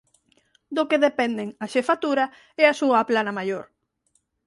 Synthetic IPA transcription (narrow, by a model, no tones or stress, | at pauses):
d̪ʊkeðepɛnd̪eŋɐʃefat̪uɾɐ | ɛasuɐplanɐmajoɾ